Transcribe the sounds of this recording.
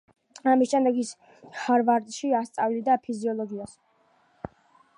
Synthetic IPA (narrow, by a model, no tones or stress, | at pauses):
amisʃɛmd̪ɛɡis | haɾvaɾd̪ʃiast̪sʼavilid̪apʰiziɔlˠɔɡias